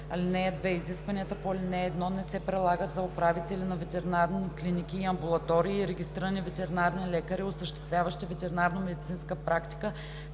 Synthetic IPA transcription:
ɐlʲinɛɐd̪vɛiziskvɐniət̪əpoɐlʲinɛːd̪nɔnɛsɛpɾɛlˠaɡət̪zɐopɾavit̪ɛlinɐvɛt̪ɛɾinaɾniklinik̟iːɐmbulˠɐt̪ɔɾiːɾɛɡʲist̪ɾiɾənivɛt̪ɛɾinaɾnilɛkəɾiosəʃt̪ɛ̥st̪vʲjavəʃt̪ivɛt̪ɛɾinaɾnəmɛd̪it̪sinskəpɾakt̪i̥kə

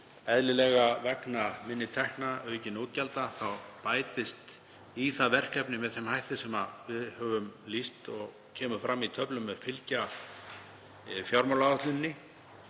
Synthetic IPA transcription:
ɛðlɪlɛɣavɛknamɪnːɪt̪ʰɛhknaœɥcɪnoːt̪̚calt̪aθawpaːjt̪ɪst̪ | iθaðvɛr̥kɛpnɪmɛðθɛmhajht̪ɪsɛmavɪðhœːvʏmlist̪ɔɣ | cʰɛːmʏfɾamːit̪ʰœplʏmːɛðfɪlca | fjawɾmawlaat̪lɪnːɪ

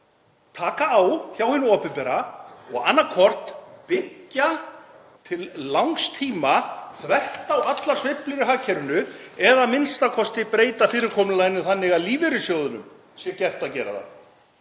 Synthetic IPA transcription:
t̪ʰaːkaːwçjawhɪnːʏɔːpɪnpɛɾaɔɣa̰nːakʰɔr̥t̪pɪcːa | t̪ʰɪlːawŋkst̪ʰiːmaθvɛht̪awat̪lḁsveplɪɾɪɦaːcʰːɛɾʏnʏɛðamɪnst̪akʰɔst̪ɪpɾeːjt̪afɪːɾɪɾkʰɔːmnʏlaːjnʏθanːɪɣaðliːvɪɾʏsjɔːwðʏnʏ̰m | sjɛcɛr̥t̪aðcɛːɾa̰ða̰

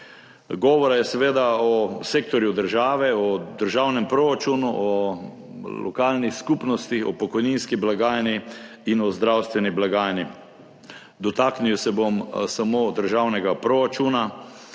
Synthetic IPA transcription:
ɡɔːʋɔɾajɛsɛʋeːd̪aɔseːk̚t̪ɔɾjud̪əɾʒaːʋɛɔd̪əɾʒawnɛmpɾoɾat͡ʃunuʔɔ | lɔ̰kaːlnixskupnɔst̪ixɔpɔkɔjninskiblaɡaːjniinɔzd̪ɾawst̪ʋɛniblaɡaːjni | d̪ɔt̪akniwsɛbomsamoːd̪əɾʒawnɛɡapɾoɾat͡ʃuːna

